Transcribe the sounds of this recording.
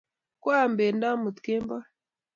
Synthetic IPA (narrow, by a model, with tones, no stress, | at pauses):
kwa˦˨mbe˨nda˦mu˨t̪ke˦mba˦